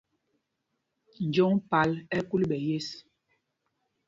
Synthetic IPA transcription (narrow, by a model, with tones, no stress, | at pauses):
n̩˨d͡ʒɔ˦ŋpa˨˦lɛ˦ku˦lɓɛ˨je˦s